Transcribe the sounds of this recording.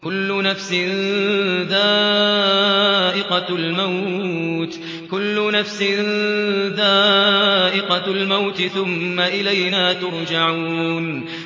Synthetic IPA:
kʊlːʊnafsɪ | ðaː | ʔɪqɑlmawt̪ | kʊlːʊnafsɪ | ðaːʔɪqɑlmawt̪ɪθʊmːaʔɪlajnaːt̪ʊɾˤd͡ʒaʕuuːn

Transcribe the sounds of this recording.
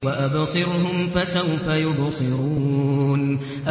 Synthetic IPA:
waʔabsˤɨɾhʊmfasawfajʊbsˤɨɾuːn | ʔa

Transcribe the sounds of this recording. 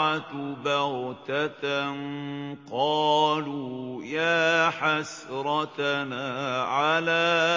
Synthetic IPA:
at̪bɑɾt̪at̪nqɑːluːjaːħasɾˤɑt̪naːʕalaː

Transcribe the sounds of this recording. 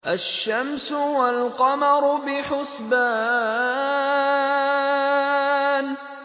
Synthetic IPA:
ʔaʃːamsʊwalqɑmɑɾˤʊbɪħʊsbaː | n

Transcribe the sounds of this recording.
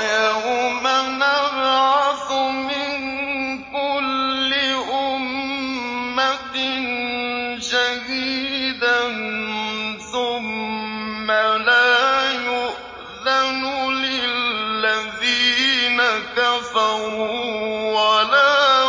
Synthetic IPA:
jaʔʊmanaɾʕaθʊmɪn | kʊlːɪʔʊmː | at̪ɪn | d͡ʒadiːd̪an | θʊmː | alaj | lanʊlɪlːaðiːnakafaɾuwala

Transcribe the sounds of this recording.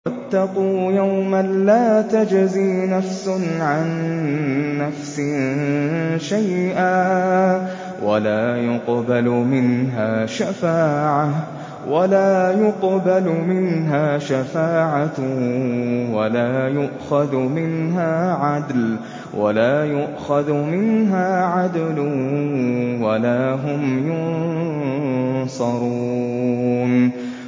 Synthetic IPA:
wat̪ːɑquːjawmalaːt̪ad͡ʒziːnafsʊʕanː | afsɪ | ʃajʔaː | walaːjʊqbalmɪnɦaːʃafaːʕa | walaːjʊqbalʊmɪnɦaːʃafaːʕat | walaːjʊʔxaðmɪnɦaːʕad̪l | wʔa̰laːjʊʔxaðʊmɪnɦaːʕad̪lʊ | walaːɦʊmjʊn | sˤɑɾuː | n

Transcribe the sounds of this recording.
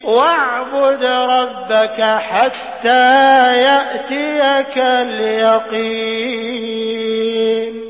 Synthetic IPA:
waʕbʊd̪ɾˤɑbːakaħat̪ːaːjaʔt̪ɪjakalɪjɑqiː | n

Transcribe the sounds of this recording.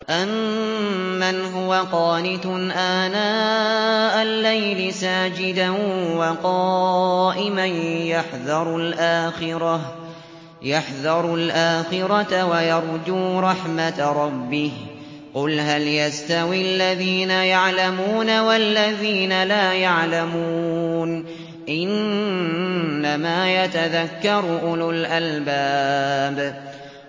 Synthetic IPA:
ʔamː | anɦʊwaqɑːnɪt̪ʔaːnaː | ʔalːajlɪsaːd͡ʒɪd̪awɑqɑːʔɪmanjaħðɑɾˤʊlʔaːxɪɾɑ | jaħðɑɾˤʊlʔaːxɪɾˤɑt̪awajɑɾˤd̪uːɾˤɑħmat̪ɾˤɑbːɪh | qʊlɦaljast̪awialːaðiːnajaʕlamuːnawalːaðiːnalaːjaʕlamuːn | ʔɪn | amaːjat̪aðakːɑɾˤʔʊlʊlʔalbaːb

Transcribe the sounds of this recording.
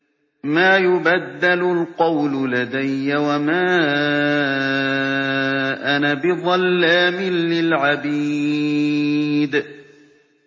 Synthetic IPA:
maːjʊbad̪ːalʊlqɑwlʊlad̪ajːawamaː | ʔanabɪðˤɑlːaːmɪnːɪlʕabi | d̪

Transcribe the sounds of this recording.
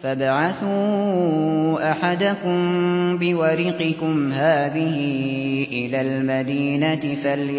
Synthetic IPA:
fabaʕaθuː | ʔaħad̪akʊmbɪwaɾiːqɪkʊmɦaːðɪhɪʔɪlaːlmad̪iːnat̪ɪfal

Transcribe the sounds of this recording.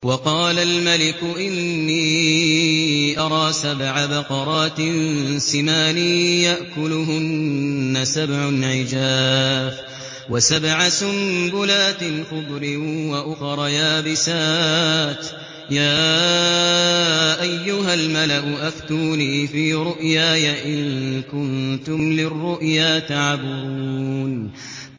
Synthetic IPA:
wɑqɑːlalmalɪkʊʔɪnːiː | ʔɑɾˤɑːsabʕabɑqɑɾˤɑːt̪ɪnsɪmaːniːjaʔkʊlʊɦʊnːasabʕʊnʕɪd͡ʒaːf | wasabʕasʊmbʊlaːt̪ɪlxʊd̪ˤɾɪwaʔʊxɾˤɑjaːbɪsaːt̪ | jaː | ʔajːʊɦalmalaʔʊʔaft̪uːniːfiːɾʊʔjaːjaʔɪŋkʊnt̪ʊmlɪrːʊʔjaːt̪aʕabʊɾuːn

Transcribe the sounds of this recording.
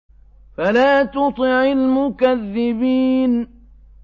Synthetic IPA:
falaːt̪ʊt̪ˤɨʕɪlmʊkaðːɪbiːn

